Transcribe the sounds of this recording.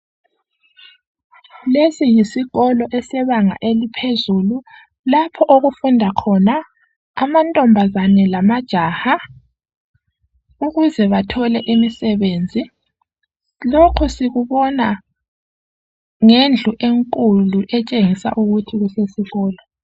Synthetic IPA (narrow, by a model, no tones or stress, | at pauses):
lesijisiɣɔlɔʔɛsɛβaŋa̰ʔelipʰezulu | lapʰɔʔoɣufundʱakʰɔna | amantʼɔmbʱazanɛlamad̥ʒ̥ʱaha | uɣuzɛβatʰɔlɛʔimisɛβeːnd͡zʱi | lokʰɔsiɣuβɔna | ŋend͡ɮʱuʔeŋkʼuluʔɛt͡ʃʼeŋisa̰ʔuɣutʰiɣusesiɣɔːlɔ